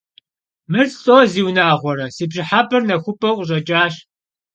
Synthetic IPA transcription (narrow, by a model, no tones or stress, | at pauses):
mɨrɬʼoːziːwnaːʁʷɔɾɐsiːbʒɪħapʰʼɨrnɐxʷʊpʼɐqʷʼʊɕ̬ʼɐt͡ʃʼaːɕ